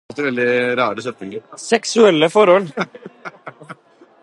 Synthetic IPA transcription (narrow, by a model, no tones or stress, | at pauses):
lt̪əʋɛld̪ɪɾɑːɾəsœpt̪ɪŋɡəɾsɛksʉɛlːəfɔɾhɔl